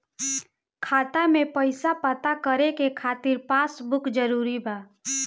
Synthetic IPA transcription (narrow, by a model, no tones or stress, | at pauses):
kʰaːt̪amẽpəɪsapət̪akəɾekekʰaːt̪ɪɾpaːsbʊkd͡ʒəɾuːɾibaː